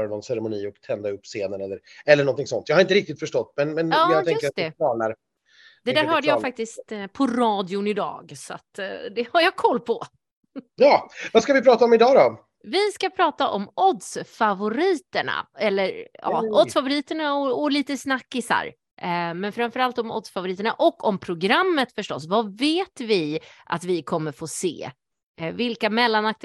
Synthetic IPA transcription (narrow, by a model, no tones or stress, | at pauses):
ɾanɔnsɛɾɛmʊniːɔkt̪ʰɛnd̪aɵpːseːnənɛlːəɾɛlːəɳɔnt̪ʰɪŋsɔnt̪jɑːhaɾɪnt̪əɾɪk̚t̪ɪt̪fœʂʈɔt̪ːmɛnmɛnjɑːjaɛjɵkəɾsat̪̚ɛɑːnaɾ | d̪̥ɛdd̪æːɾɦœːɖəjɑːfak̚t̪ɪst̪pʰɔɾɑːd̪ɪʊnɪd̪ɑ̰ːɡsɔa̰t̪d̪ɛhaɾjɑkʰɔlːpʰɔ | jɑːvaskavɪpʰɾɑːt̪aɔmɪd̪ɑːd̪ɔ | vɪskapʰɾɑːt̪aʔɔmɔd̪sfavʊɾiːt̪əɳa̰ɛlːəɾɑ̰ːɔd̪sfavʊɾiːt̪əɳaɔɔliːt̪əsnakːɪsa̰ɾ | mɛnfəɾamfœɾalt̪ɔmɔ̰d̪sfavʊɾiːt̪əɳaʔɔkːɔmpʰɾʊɡɾamːət̪fœʂʈɔ̰s̬vaveːt̪vɪʔa̰t̪vɪkʰɔmːəɾfoːsḛː | vɪlkamɛlːanak̚t̪